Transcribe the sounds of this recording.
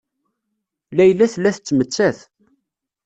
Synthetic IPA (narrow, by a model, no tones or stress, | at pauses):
læjlːæθlːæθət͡sːmət͡sːæθ